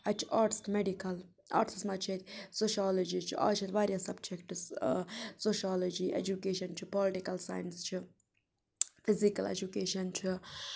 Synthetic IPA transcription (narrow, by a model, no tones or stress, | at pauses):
at͡ʃʰi̥ʔaːɾʈɪ̥sʈmeɖikɐl | a̰ːɾʈʰɪsmat͡ʃʰet̪ʲsoːʃiaːlod͡ʒit͡ʃʰiʔa̰ːt͡ʃʰet̪ʲʋaːɾʲjɐsɐb̚d͡ʒekʈs | soːʃaːlod͡ʒiḛd͡ʒukeːʃɐnt͡ʃʰipɔlɪʈikɐlsa̰jnst͡ʃʰi | fɪzikɐlḛd͡ʒukeːʃɐnt͡ʃʰi